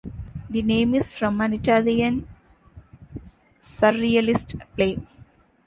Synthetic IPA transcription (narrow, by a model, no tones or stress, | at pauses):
d̪inẽːmɪsfɾɔ̃mæ̃nɪʈaːliə̃n | sʌɾiəlɪsʈpleː